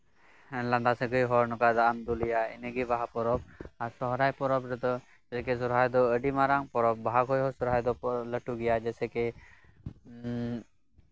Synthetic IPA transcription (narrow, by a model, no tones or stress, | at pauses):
lãnd̪asɛ̃ɡɔjɦɔɾnɔkad̪aʔəmd̪ulijaɛ̰nɛɡibaɦapɔɾɔb̚aɾsɔɦɾajpɔɾɔbɾɛt̪ɔ | ɛsɛkɛsɔɾɦajd̪ɔəɖimaɾaŋpɔɾɔb̚baɦakʰɔjɦɔsɔɾɦajd̪ɔpləʈuɡɛjad͡ʒɛsɛkɛ